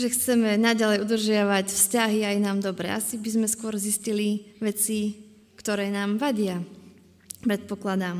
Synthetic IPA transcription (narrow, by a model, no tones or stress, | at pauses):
ʒɛxt͡sɛmɛnaɟalɛjud̪r̩ʒɪaʋacfscaɦiajnaːmd̪ɔbɾɛ̰ʔa̰sibizmɛskʊɔɾzisciliʋɛt͡si | kt̪ɔɾɛːnaːmʋaɟɪa | pɾɛt̪̚pɔklad̪am